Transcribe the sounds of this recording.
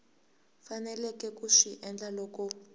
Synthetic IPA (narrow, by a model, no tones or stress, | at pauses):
fanɛlɛkʼɛkʼuʂiʔɛnd͡ɮalɔːkɔ